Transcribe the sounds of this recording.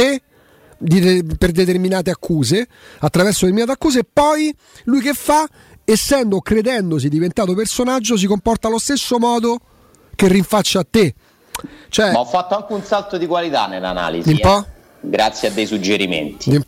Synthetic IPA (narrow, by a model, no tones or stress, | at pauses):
e | d̪ieperd̪et̪erminaːt̪eakʰːuːze | at̪ːɾavɛrsod̪etɾminat̪eakːuːzeːpːɔj | lujkefːa | esːɛnd̪okɾed̪ɛnd̪os̬id̪ivent̪aːt̪opersonad͡ʒːos̬ikompɔrt̪alost̪esːomɔːd̪o | kerːiɱfat͡ʃːaːt̪ːe | t͡ʃoɛmaɔfːat̪ːoaŋkeunsalt̪od̪ikwalit̪a̰nelːa̰na̰ːlḭzd̪imipɔ | ɡɾat̪sːjead̪ːejsud͡ʒːeɾimḛnt̪i̥d̪im